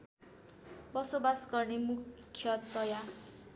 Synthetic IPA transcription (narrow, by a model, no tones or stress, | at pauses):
bʌsobasɡʌrnemukʰːjʌt̪ʌja